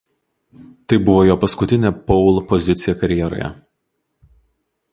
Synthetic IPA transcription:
t̪ɐɪbʊʋoːjoːpɐskʊt̪ʲɪnʲɛpɔʊlˠpɔzʲɪt̪sʲɪjɛkɐɾʲjɛɾo̰ːjɛ̰

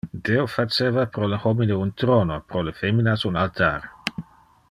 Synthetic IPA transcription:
d̪eofat͡ʃevapɾoləhomineunt̪ɾonopɾolefeminasunalt̪aɾ

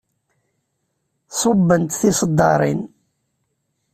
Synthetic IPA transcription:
sˤobːənt̪θisˤəd̪ːɑ̰ɾˤḭn

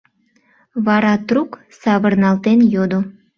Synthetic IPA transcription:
βɑɾɑt̪ruk | sɑβərnɑlt̪enjod̪o

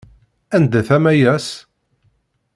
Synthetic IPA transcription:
ænd̪æθæmæjæs

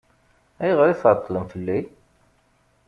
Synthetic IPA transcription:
æjʁəɾiθʕt̪ˤːləmfəlːi

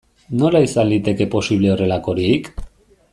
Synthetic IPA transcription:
no̞laisand̪it̪e̞ke̞po̞siβ̞le̞o̞re̞lako̞ɾik

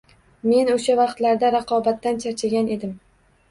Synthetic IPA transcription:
me̞noʃavɑqt̪laɾd̪aɾɑqʰɒbat̪ːant͡ʃʰaɾt͡ʃʰaɡʲane̞d̪ɪm

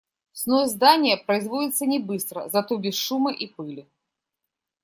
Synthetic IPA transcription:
snozd̪anʲɪjəpɾəɪzvodʲɪt̪sːənʲɪbɨst̪ɾə̰zat̪ɔbʲɪsʂumɨʔipɨlʲɪ

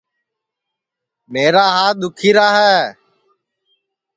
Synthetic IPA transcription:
meːɾaːɦaːd̪ʊkʰiːɾaːɦɛː

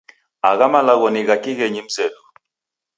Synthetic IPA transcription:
aɣamalaɣɔniɣakiɣɛɲim̩sɛdu

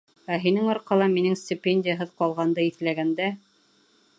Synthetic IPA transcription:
æɦinɘŋɒɾqɑlˠɑminɘŋsʲtʲɪpʲenʲdʲɪjəɦɤðqɒlˠʁɑnd̪ɤiθlæɡænd̪æ

